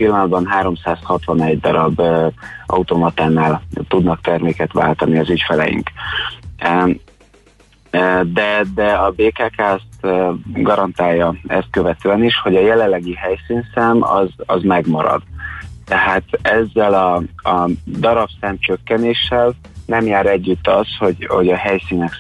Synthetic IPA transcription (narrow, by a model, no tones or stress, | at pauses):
pilːɒnɒd̪bɒnɦaːɾo̞msaːshɒt̪ʋɒnɛɟd̪ɒɾɒb | ʔɒ̰ut̪omɒt̪aːnaːlt̪ud̪nɒkt̪ɛrmeːkɛt̪ʋa̰ːlt̪ɒniɒzycfɛlɛ̰jḭŋk | d̪ɛd̪ɛɒbeːkaːkaːst̪ɡɒɾɒnt̪aːjːɒɛst̪̚køvɛt̪øːɛniʃho̞ɟɒjɛlɛlːɛɡiɦɛjsiːnsaːmɒ̰zɒzmɛɡmɒɾɒ̰d̪̥t̪ɛɦaːt̪ɛzːɛlɒɒd̪ɒɾɒpsaːmt͡ʃø̞kːɛneːʃːɛl | nɛmjaːɾɛɟːyt̪ːɒsho̞ɟho̞̰ɟɒɦɛjsiːnɛk